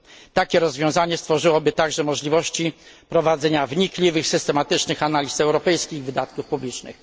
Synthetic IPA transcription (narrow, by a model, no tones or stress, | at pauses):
t̪akʲɛɾɔzvʲjɔ̃w̃zaɲɛst̪fɔʐɘwɔbɘt̪aɡʐɛmɔʐlʲivɔɕt͡ɕipɾɔvad̪zɛɲavɲiklʲivɘxsɘst̪ɛmat̪ɘt͡ʂnɘxanalʲisɛwɾɔpɛjskʲiɣvɘd̪at̪kufpublʲit͡ʂnɘ̰x